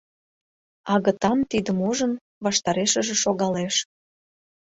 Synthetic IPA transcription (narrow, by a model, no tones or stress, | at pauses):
ɑɣə̆t̪ɑmt̪id̪əmuʒən | βɑʃt̪ɑɾeʃə̆ʒĕʃoɣɑleʃ